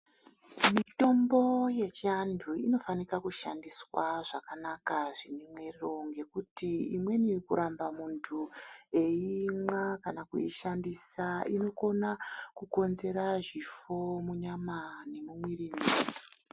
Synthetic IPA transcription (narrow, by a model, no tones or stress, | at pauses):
mito̞mbo̞je̞t͡ʃiandʰʱuino̞fanikakuʃandiswaʐakanakaʐinemwe̞rro̞ŋɡe̞kutiimwe̞nikuɾambamuntʰue̞imwakanakṵiʃandisaino̞ko̞nakuko̞nze̞ɾaʐifo̞muɲamane̞mumwirimei